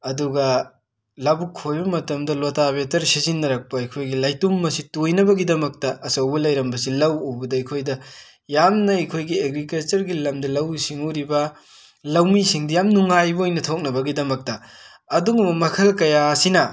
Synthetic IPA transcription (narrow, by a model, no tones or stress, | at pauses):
ɐduɡɐ | lɐbukʰːojbɐmɐtɐmdɐlotabetɐɾsizinːɐɾɐk̚pɐɐjkʰojɡilɐjtumːɐsitojnɐbɐɡidɐmɐk̚tɐɐsɐwbɐlɐjɾɐmbɐsilɐwowbɐdɐɐjkʰojdɐ | jamnɐɐjkʰojɡieɡɾikɐlt͡ʃɐɾɡilɐmdɐlɐwsiŋuɾibɐ | lɐwmisiŋdɐjamnuŋajbɐojnɐtʰok̚nɐbɐɡidɐmɐk̚tɐː | duŋɐmɐmɐkʰɐlkɐjasinɐ